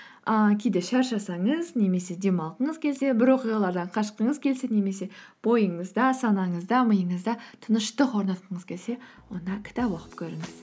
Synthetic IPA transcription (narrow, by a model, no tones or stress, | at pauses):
əkʲʰejd̪e̞ʃɑɾʃɑsɑɴəzne̞me̞se̞d̪emɑlˠqəɴəzkʲʰe̞lse̞bɪɾwo̞qijʁɑlˠɑɾd̪ɑɴqʰɑʃqəɴəzkʲʰe̞lse̞ne̞me̞se̞b̥o̞jəɴəzd̪ɑsɑnɑɴəzd̪ɑməjəɴəzd̪ɑt̪ʰənəʃt̪əqʰo̞ɾnɑt̪̚qəɴəz̥kʲʰe̞lse̞ | wo̞nd̪ɑkʲʰɪ̥t̪ɑpwoqə̥pkʲʰɵɾɪŋɪz̥